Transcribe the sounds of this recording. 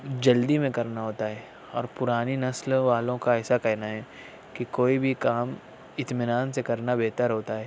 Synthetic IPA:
d͡ʒɐld̪imẽkɐɾnaɦoːt̪aɦɛː | ɔ̰ːɾpʊɾaːninɐslʋaːlõkaɛːsakɛɦnaɦɛ | kikoːibʱikaːm | ɪt̪mɪnaːnsekɐɾnabɛɦt̪əɾɦoːt̪aɦɛː

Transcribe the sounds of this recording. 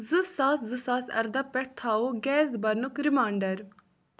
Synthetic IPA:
zɨsaːszɨsaːsɐ̰ɾd̪ɐpɛʈ̚t̪ʰaːoɡɛːzbɐnukɾimaːɳɖɐɾ

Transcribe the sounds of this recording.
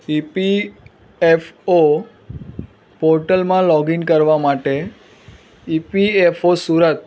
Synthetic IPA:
ipi | efo | poɾʈəlmãlɔɡinkəɾʋamaʈe | ipiefosuɾət̪̚

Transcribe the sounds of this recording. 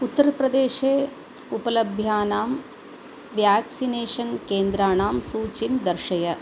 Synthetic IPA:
ut̪ːɐɾɐpɾɐd̪eːʃeː | upɐlɐbʱjaːnaːm | ʋjaːksineːʂɐnkeːnd̪ɾaːɳaːmsuːt͡ʃimd̪ɐɾʃɐjɐ

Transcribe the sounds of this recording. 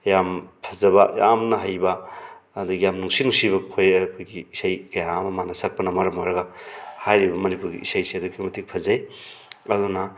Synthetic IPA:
jampʰɐzɐbaja̰mnɐɦajbaː | d̪uɡijamnuŋsinuŋsibɐkʰojkʰojɡiːsajkɐjamɐmanasak̚pɐnɐmɐɾɐmoɾɐɡahajɾibɐmɐnipuɾɡḭʔḭsajseɐd̪ukimɐtik̚pʰɐzajɐdunɐ

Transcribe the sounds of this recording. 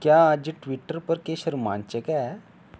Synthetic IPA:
kjad͡ʑiʈʋiʈːəɾpəɾkeɕəɾmã̰nt͡ɕekɛ

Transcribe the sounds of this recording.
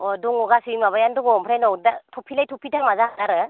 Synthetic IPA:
ɔduŋɔɡasimaβajanduɡɔmpʰɾajnɔwdatʰɔpʰilajtʰɔpʰitamazakanaɾɯ

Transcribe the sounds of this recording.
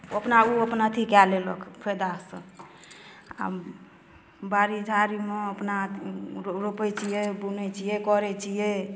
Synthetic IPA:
əpnauəpnat̪ʰikɛleləkʰpʰed̪asə̰̃ | a̰ | baɾid͡ʒʱaɾimeəpna | ɾopɛt͡ʃʰijɛbunɛt͡ʃʰijɛkɔɾɛt͡ʃʰijɛ

